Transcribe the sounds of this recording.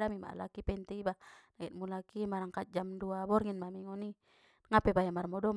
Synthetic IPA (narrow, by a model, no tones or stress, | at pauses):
amima̰ʔa̰la̰kipɛnt̪iibanait̪̚mulakimaɾaŋkat̪̚d͡ʒamduabɔrŋinmamiŋɔni | ŋapɛbajamarmɔdɔm